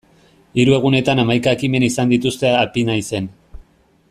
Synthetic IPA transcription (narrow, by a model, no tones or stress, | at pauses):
iɾue̞ɣ̞une̞t̪anamajkaekime̞nisand̪it̪ust̪e̞apinajse̞n